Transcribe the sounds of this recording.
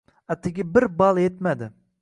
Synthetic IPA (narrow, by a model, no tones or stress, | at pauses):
at̪ʰːɪɡʲɪbɪɾbɑlˠjet̪mad̪ɪ